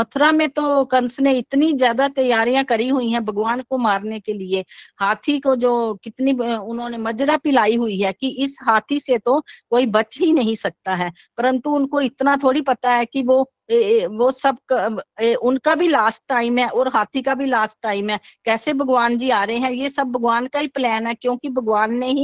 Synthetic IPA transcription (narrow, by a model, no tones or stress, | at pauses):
mɐt̪ʰɾamẽt̪okɐnsneɪt̪nĩzjaːd̪at̪ɐjaːɾijãkɐɾiɦʊĩɦɛ̃bʱɐɡʋaːnkomaːɾnekeliehaːt̪ʰikod͡ʒoːkɪt̪niʊnɦõnemɐd͡ʒɾapɪlaːiɦʊiɦɛkiʔɪsɦaːt̪ʰiset̪okoːibɐt͡ʃɦinɐɦĩsɐk̚t̪aɦɛː | pɐɾə̃nt̪uʊnkoɪt̪nat̪ʰoːɽipɐt̪aɦɛkiʋo | ʋosɐb̚kːʔʊnkabʱilaːsʈ̚ːaːɪmɦɛʔɔːɾɦaːt̪ʰikabʱilaːsʈ̚ːaːɪmɦɛːkɛːsebʱɐɡʋaːnd͡ʒiaːɾɐɦeɦɛ̃jesɐbːʱɐɡʋaːnkaɦiplɛːnɦɛkjõːkibʱɐɡʋaːnːeɦi